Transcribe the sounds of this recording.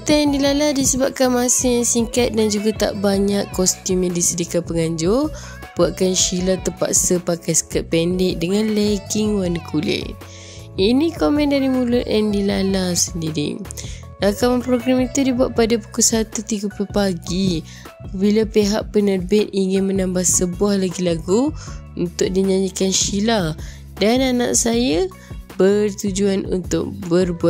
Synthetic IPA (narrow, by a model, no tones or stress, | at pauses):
pət̪ajandilaladisəbap̚kanmasəjaŋsiŋkat̪̚dand͡ʒuɡat̪a̰ʔbaɲaʔɔst̪umjadisədikat̚pəŋaɲd͡ʒʊ | b̥uaʔ̚kanʃilat̪əpa̰ʔsəpakajsə̥kat̪̚pɛndɪk̚dəŋanlɛɡiŋwanikʰulɪ̰ | inikomɛ̃ndaɾimulʊt̪̚andilalasəndiɾḭ | lakamanpɾoɡɾamit̪udibuaʔ̪̚padapu̥kʊlsat̪ut̪iɡəplulpaɡi | apabilapeɦaʔpənərbɪt̪̚iŋɪnmə̃nambahsəbuahlaɡilaɡu | unt̪ʊʔ̚diɲaɲikanʃila | danana̰ʔsajə | bərt̪ud͡ʒuanṵnt̪ʊ̰k̚bərbua